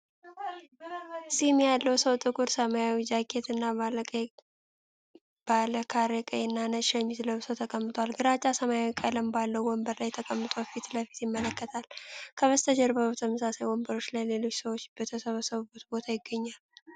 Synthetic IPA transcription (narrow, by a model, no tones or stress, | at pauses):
simjalːəwsəwt̪ʼɨkʼuɾsəmajawid͡ʒakʼʰːet̪ɨnːa | b̥aləkʰaɾekʼəɪnːanəʃəɲːɪzləβsəwt̪ʰəkʼəmːɨt̪ʼwalɡɨɾat͡ʃʼːasəmajawikʼələmbalːəwwɔmbəɾlajɛt̪ʰəkʼəmːɨt̪ʼofit̪ləfit̪jɪmːələkːət̪ʰalkʰəβəst̪ʰəd͡ʒɛɾbəβət̪ʰəməsasajwɔmbəɾo̞t͡ʃːlajle̞lo̞t͡ʃːsəwot͡ʃːb̥ət̪ʰəsəβəsəβɨbut̪bo̞t̪ʰajɪɡːəɲːal